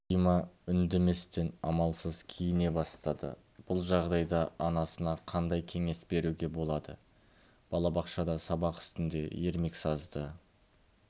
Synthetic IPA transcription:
ijmɑʏnd̪e̞me̞st̪e̞nɑ̰mɑlˠsəzkʲʰijɪne̞bɑst̪ɑd̪ə̰ | b̥ʊlˠʒɑʁd̪ɑjd̪ɑɑnɑsənɑqʰɑnd̪ɑjkʲʰe̞ŋe̞sbe̞ɾuɡʲe̞bo̞lˠɑd̪ə | b̥ɑlˠɑbɑqʃɑd̪ɑsɑbɑqʏ̥st̪ɪnd̪e̞̰je̞ɾme̞ksɑzd̪ə

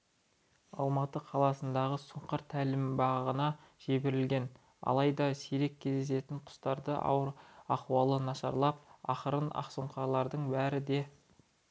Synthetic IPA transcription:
ɑlˠmɑt̪əqʰɑlˠɑsənd̪ɑʁəsʊɴqəɾt̪ʰːælɪmbɑʁʁənɑʒ̥ebe̞ɾɪlɡʲe̞n | ɑ̰lˠɑjd̪ɑseɾe̞kʲʰːe̞zd̪e̞se̞t̪ɪɴqʰʊ̥st̪ɑɾd̪ə̰ | ɑquwɑlˠənɑʃɑ̰ɾlˠɑp̚ɑχəɾənɑ̰qsoɴqɑɾlˠɑɾd̪əɴbæɾɪd̪e̞

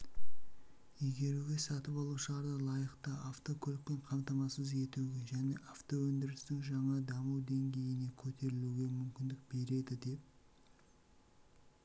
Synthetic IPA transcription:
eɡʲe̞ɾuɡʲe̞sɑt̪əpɑlˠuʃəlˠɑɾd̪əlˠɑjəqt̪ɑʔaft̪o̞kʲʰoɵlɪk̚pe̞ɴqʰɑmt̪ɑmɑsəze̞t̪uɡʲe̞ʒæne̞ʔaft̪o̞wɵnd̪ɪɾɪst̪ɪŋʒɑɴɑd̪ɑməwd̪e̞ŋɡʲe̞jɪne̞kʲʰɵt̪ʰe̞ɾɪluɡʲe̞mʏmkʲɪnd̪ɪk̚be̞ɾe̞d̪ɪd̪e̞p̚

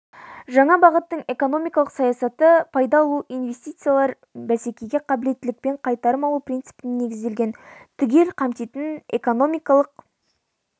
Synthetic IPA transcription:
ʒɑɴɑbɑʁət̪ːəɴe̞ko̞no̞mijkɑlˠəqsɑjɑsɑt̪əpʰɑjd̪ɑlˠuʔijnve̞st̪ijt̪sɨjalˠɑɾ | bæse̞kʲejɡʲe̞qʰɑbɪle̞t̪ːɪlɪk̚pe̞ɴqʰɑjt̪ɑɾəmɑlˠuprʲint̪sɨ̥pɪnɪnːe̞ɡʲɪzd̪e̞lɡʲe̞nt̪ʰʏɡʲe̞lqʰɑmt̪et̪ɪne̞ko̞no̞mijkɑlˠəq̚

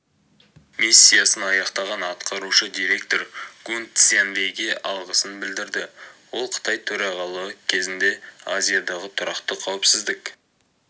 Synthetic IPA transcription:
misʲːijasənɑjɑqt̪ɑʁɑnɑt̪qʰɑɾuʃəd̪iɾe̞k̚t̪o̞ɾɡ̥unt̪senvejɡʲe̞ʔɑlˠʁəsənbɪld̪ɪɾd̪ɪwo̞lˠqʰə̥t̪ɑjt̪ʰɵɾɑʁɑlˠəwəkʲʰe̞zɪnd̪e̞azijad̪ɑʁət̪ʰʊɾɑqt̪əqʰɑwɪpsɪzd̪ɪk

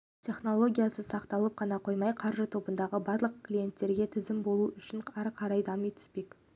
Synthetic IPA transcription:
tʲʰe̞χno̞lˠo̞ɡʲijasəsɑqt̪ɑlˠəp̚qʰɑnɑqʰo̞jmɑjqʰɑɾʒət̪ʰo̞bənd̪ɑʁəbɑɾlˠəq̚klʲije̞nt̪ːe̞ɾɡʲe̞t̪ʰɪzɪmbo̞lˠuʔʏʃɪɴæɾqʰɑɾɑjd̪ɑmijt̪ʰʏ̥spe̞k

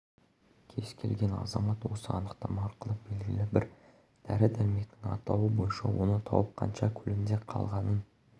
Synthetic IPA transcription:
kʲʰe̞z̥kʲʰe̞lɡʲe̞nɑ̰zɑmɑt̪wo̞səɑnəqt̪ɑmɑːɾqəlˠəbe̞lɡʲɪlɪbɪɾ | d̪̥æɾɪd̪æɾme̞kt̪ɪŋɑ̰t̪ɑwəbo̞jənʃɑwo̞nət̪ʰɑ̰wəp̚qʰɑ̰nʃɑkʲʰʏlɪnd̪e̞qʰɑ̰lˠʁɑnən

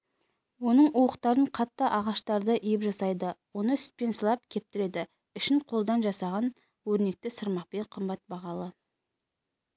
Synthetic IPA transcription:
wo̞nəɴuwəqt̪ɑɾəɴqʰɑt̪ːəʔɑʁɑʃt̪ɑɾd̪əʔijɪpʒɑsɑjd̪əwo̞nəʏst̪̚pe̞nsəlˠɑp̚kʲʰe̞p̚t̪ɪɾe̞d̪ɪ | ʏʃɪɴqʰolˠd̪ɑnʒɑsɑʁɑn | wɵɾne̞k̚t̪ɪsəɾmɑq̚pe̞ɴqʰəmbɑt̪̚bɑʁɑlˠə

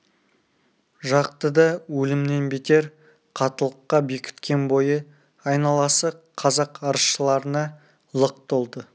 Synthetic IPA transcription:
ʒɑqt̪əd̪ɑwɵlɪmne̞nbet̪e̞ɾ | qʰɑt̪əlˠəqːɑbe̞kʲʰɪ̥t̪kʲe̞nbo̞jə | ɑjnɑlˠɑsəqʰɑzɑqɑɾəsʃəlˠɑɾənɑ | lˠəq̚t̪olˠd̪ə

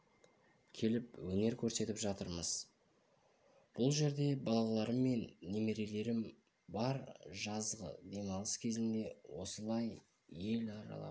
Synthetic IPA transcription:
kʲʰe̞lɪpwɵne̞ɾkʲʰɵɾse̞t̪ɪpʒɑt̪əɾməz̥ | b̥ʊlˠʒe̞ɾd̪e̞bɑlˠɑlˠɑɾəmːe̞nːe̞me̞ɾe̞le̞ɾɪm | bɑɾʒɑzʁə̰d̪e̞mɑlˠəskʲʰe̞zɪnd̪e̞wo̞səlˠɑj | je̞lɑɾɑ̰lˠɑ̰

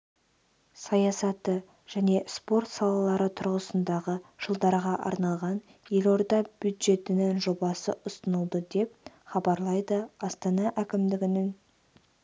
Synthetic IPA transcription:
sɑjɑsɑt̪ːə | ʒ̥æne̞spo̞rt̪sɑlˠɑlˠɑɾət̪ʰʊɾʁəsənd̪ɑʁəʒ̥əlˠd̪ɑɾʁɑʔɑ̰ɾnɑlˠʁɑn | je̞lo̞ɾd̪ɑbjud̪ʒe̞t̪ɪnɪŋʒo̞bɑsə̰ʔʊsənəlˠd̪əd̪e̞p̚χɑbɑɾlˠɑjd̪əɑst̪ɑnɑʔækʲɪmd̪ɪɡʲɪnɪŋ

